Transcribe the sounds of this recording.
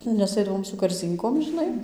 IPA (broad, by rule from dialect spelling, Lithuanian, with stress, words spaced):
nʲɛs ˈɐɪdɐʋoːm sʊ kɐrʲˈzʲiːŋkoːm ʒʲɪˈnɐɪ